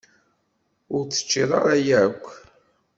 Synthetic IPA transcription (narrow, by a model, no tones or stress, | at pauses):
ʊɾt͡sːə̥t͡ʃːiðˤɑɾˤɑjækʷː